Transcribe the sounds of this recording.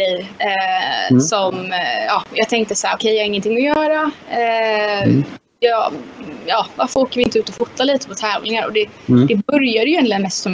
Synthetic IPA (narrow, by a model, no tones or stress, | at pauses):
ɛj | sɔmjɑːjɑːɡt̪ʰɛŋk̚t̪əsahæːɾɔkʰɛjjhaɾɪŋːənt̪ʰɪŋːɔjœːɾa | jɑːjɑːvaɾfəoːkəɾvɪnt̪əʉːt̪ɔfʊt̪ːaliːt̪ə̥pʰɔt̪ʰɛːvlɪŋaɾɔ̰d̪ɛ | dd̪ɛbœɾjad̪əjʏjɛnt̪lɪənːɛst̪ɔm